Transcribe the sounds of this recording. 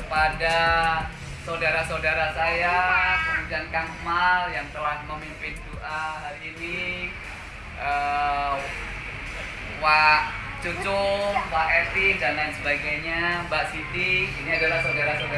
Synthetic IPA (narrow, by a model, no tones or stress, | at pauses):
kəpada | sawdaɾasawdaɾasajakəmud͡ʒankaŋmaljaŋt̪əanməmimpɪnduʔaɦaɾiːni | ʔə | waʔt͡ʃut͡ʃʊŋwaʔɛp̪idanansəbaɡajɲabaʔsidiiniadalahsaudaɾasawda